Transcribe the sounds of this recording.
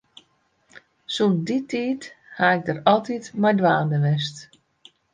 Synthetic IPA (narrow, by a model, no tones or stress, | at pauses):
sunsditʰiːthaɪɡ̚dəɾɔlˠtitmajdwaːdəʋɛs̬t